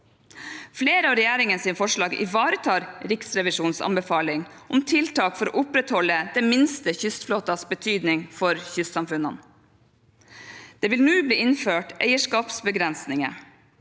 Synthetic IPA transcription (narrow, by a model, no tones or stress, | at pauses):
fleːɾəɑːʋɾɛjæːɾɪŋənsiːnəfɔʂɭɑːɡʔɪ̰ʋɑːɾət̪ʰɑːɾɾɪksɾɛʋɪʂuːnsɑ̰mbəfɑːlɪŋ | ʔʊmt̪ʰɪlt̪ɑːkfɔɾo̰ːʔʊpɾɛt̪hɔləd̪̥eːmɪnst̪əçʏst̪floːt̪ɑsbət̪ʰyːd̪nɪŋfɔɾçʏst̪sɑmfʉnɑ̰n | d̪̥eːʋɪlnʉːbliːɪnføːʈæ̰ɪəʂkɑːpsbəɡɾɛnsnɪŋə̰